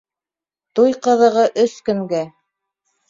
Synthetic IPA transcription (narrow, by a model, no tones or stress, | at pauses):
t̪ujqɤ̆ðɤ̆ʁɤʔɵskɵ̆ŋɡæ